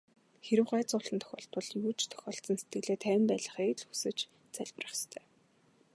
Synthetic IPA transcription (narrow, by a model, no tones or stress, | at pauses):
xeɾɘ̆wɢæːt͡sʊːɮə̆nt̪ʰœ̥xʲɔ̰ːɬt̪pɞ̆ɮjuːt͡ɕʰt̪ʰœ̥xʲɔːɬt͡sə̆nset̪̚ɡɘ̆ɮeːt̪ʰæːw̆ʲmpæːɮə̆χiːkɮxusɘ̆t͡ɕ | t͡sæɮʲp̆rə̆χst̪ʰœː